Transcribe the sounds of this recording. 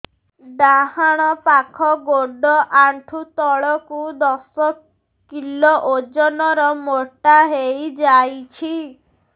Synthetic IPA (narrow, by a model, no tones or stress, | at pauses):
d̪aɦaɽ̃ɔpakʰɔɡoɖɔʔaɳʈʰut̪ɔɭɔkud̪ɔsɔ | kilɔʔod͡ʒɔnɔɾɔmoʈaɦejd͡ʒajt͡ʃʰi